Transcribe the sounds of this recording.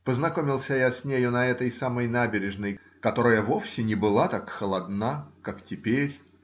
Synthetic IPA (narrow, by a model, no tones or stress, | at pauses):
pəznɐko̞mʲɪlˠsʲəjasʲnʲejʊnɐɛt̪əjsaməjnabʲɪɾʲɪʐnəj | kɐt̪o̞ɾəjəvo̞fsʲɪnʲɪbɨlˠat̪akxəlˠɐd̪nakaktʲɪpʲeɾʲ